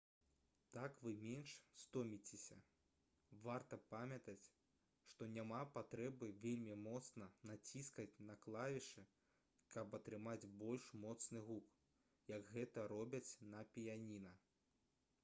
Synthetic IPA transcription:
t̪akvɨmʲɛnʂst̪ɔmʲit͡sʲesʲɐ̰ | vart̪ɐpamʲɐt̪ɐt͡sʲ | ʂt̪ɔnʲamapat̪ɾɛbɨvʲelʲmʲimɔt̪snɐnat͡sʲiskɐt͡sʲnɐklˠavʲiʂɨ | kɐpɐt̪ɾɨmad͡zʲbɔlʲʂmɔt̪snɨɣuk | jɐɡɣɛt̪ɐɾɔbʲɐt͡sʲnɐpʲijanʲinɐ

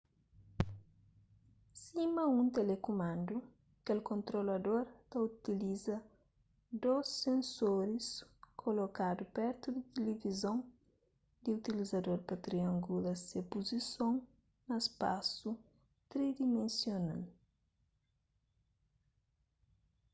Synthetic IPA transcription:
simɐũnt̪elekumãnd̪u | kelkõnt̪ɾolɐd̪oɾt̪ɐut̪ilizɐ | d̪osːẽnsoɾiskʰolokad̪upɛɾt̪ud̪it̪elevizõŋ | d̪iut̪ilizɐd̪oɾpɐt̪ɾiɐ̃ŋɡulɐsepuzisõŋ | nɐespa̰su | t̪ɾid̪imẽnsjona̰l

